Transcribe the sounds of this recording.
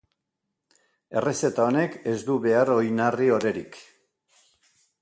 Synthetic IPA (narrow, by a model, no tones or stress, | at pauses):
e̞rese̞t̪ao̞ne̞ke̞zd̪uβe̞aɾo̞jnario̞ɾe̞ɾik